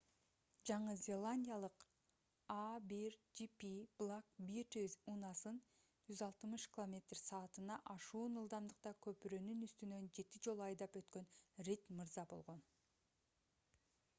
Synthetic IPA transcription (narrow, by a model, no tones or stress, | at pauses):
d͡ʒɑɴɯzʲelˠanʲdʲijalˠɯq | abiɾd͡ʒipib̥lˠakbiɾt̪izunɑsɯn | d͡ʒyzɑlˠt̪ɯmɯʃkʲɪlˠo̞mʲe̞t̪r̥sɑːt̪ɯnɑʔɑʃuːnɯlˠd̪ɑmd̪ɯq̚t̪ɑkʰø̞pyɾø̞nynyst̪ynø̞nd͡ʒe̞t̪id͡ʒo̞lˠuɑjd̪ɑpø̞t̪kø̞nrʲit̪mɯɾzɑbo̞̰lˠʁo̞n